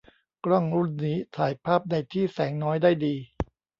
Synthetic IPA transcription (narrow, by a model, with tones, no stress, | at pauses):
kɾɔ˥˩ŋɾu˥˩nːiː˦˥t̪ʰaː˩˦jpʰaː˥˩p̚na˧jt̪ʰiː˥˩sɛː˩˦ŋnɔː˦˥jdaː˥˩jdiː˧